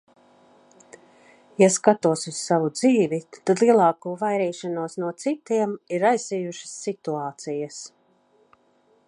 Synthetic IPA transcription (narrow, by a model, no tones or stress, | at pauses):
jaskat̪uɔsussavud̪ziːvit̪ad̪lˠiɛlˠɑːkuːvajɾiːʃanuɔsnuɔt̪sit̪iɛmiɾajsijuʃə̥sːit̪uaːt̪sijɐs